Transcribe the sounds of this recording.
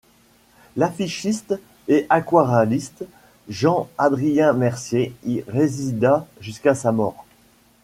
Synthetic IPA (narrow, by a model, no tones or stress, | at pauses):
lafiʃist̪ | ɛʔakwaʁalist̪ | ʒɑ̃ad̪ʁijɛ̃mɛʁsjeiʁezid̪aʒyskasamɔːʁ